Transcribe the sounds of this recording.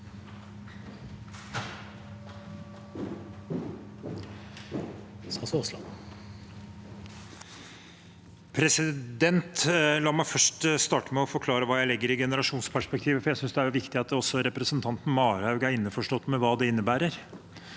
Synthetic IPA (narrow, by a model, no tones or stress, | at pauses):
sɑsɔslɑ̰ | pʰɾɛsɪd̪ɛnt̪lɑːmæɪfœʂʈst̪ɑːʈəmɛɔfɔɾkʰlɑːɾəʋɑːjæɪlɪɡːəɾɪɡɛnəɾɑʂuːnspʰæʂpɛk̚t̪ʰiːʋəfɔɾjæɪsʏnsd̪ɛæʋɪkt̪ɪɑt̪ɔsːɔɾɛpɾəsənt̪ʰɑnt̪n̩mɑːɾhɑʉɡæɾɪnːəfɔʂʈɔt̪ːmɛʋɑːd̪ɛɪnːəbæːɾəɾ